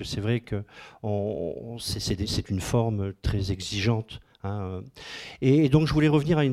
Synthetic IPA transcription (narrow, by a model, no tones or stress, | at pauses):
əsɛvʁɛkəɔ̰̃sɛsɛd̪esɛt̪ynfɔʁmøt̪χɛzɛɡziʒɑ̃t̪ | ɛ̃ø | eːd̪ɔ̃kʒəvulɛʁəvniʁayn